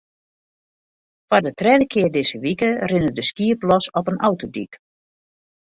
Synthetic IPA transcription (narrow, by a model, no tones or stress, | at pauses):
fadətrɛdəkʰɪərdɪzəʋikərɪnədəskiəplɔsɔpənʔɔwtodḭk